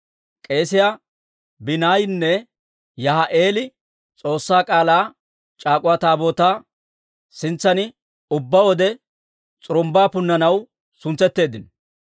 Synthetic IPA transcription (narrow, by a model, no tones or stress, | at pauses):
kʼe̞ːsɪja | bɪnaːjnːɛ | jɐɦɐʔeːlɪ | t͡sʼo̞ːsːaːkʼaːlaː | t͡ʃʼaːkʼʊwaːt̪aːbo̞ːt̪aː | sɪnt͡sːɐnɪ | ʊbːɐwɔd̪ɛ | t͡sʼʊɾʊmbaːpʊnːɐnɐw | sʊnt͡sːɛt̪ːe̞ːd̪ɪn